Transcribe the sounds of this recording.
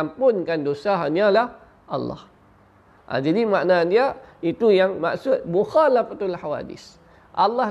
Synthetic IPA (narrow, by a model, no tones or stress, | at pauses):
ampʊnkandosaɦanalah | ʔa̰lːɑ̰h | ʔa̰d͡ʒadimaʔnadiait̪ujaŋma̰ʔsʊt̪̚muxalafat̪alħawa̰dɪ̰s | ʔalːɑ